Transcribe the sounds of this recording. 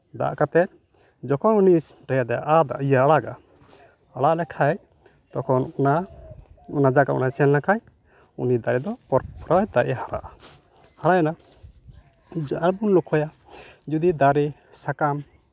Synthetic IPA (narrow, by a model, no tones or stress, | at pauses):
d̪a̰ʔkat̪ɛt̪̚ | d͡ʒɔkʰɔnunisʈɛjad̪ɛʔad̪a̰ʔijaaɽaɡa̰ | aɽaʔlɛkʰaj | t̪ɔkʰɔnna | unad͡ʒaɡaʔṵnasɛlnakʰaj | ṵnid̪aɾɛd̪ɔpɔɾpɾɔjt̪aʔahaɾa̰ʔa | haɾajɛna | d͡ʒaɽbunlukʰɔja | d͡ʒud̪id̪aɾi | sakam